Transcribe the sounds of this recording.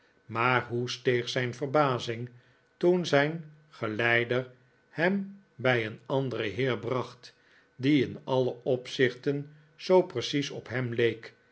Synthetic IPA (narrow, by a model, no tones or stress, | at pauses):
maːɹɦustejχsɛjnfəɹbaːzɪŋ | tunzɛjn | χəlɛjdəɹ | hɛm | bɛjənɑndərəɦɪːɹbrɑχt | diɪnɑləɔpsɪχtən | z̥owprəsisɔpɦɛmlejk